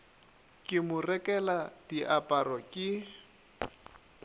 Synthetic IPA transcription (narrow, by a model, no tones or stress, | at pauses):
kʼɪmʊrɛkʼɛlad̥iʔapʼarɔkʼɪ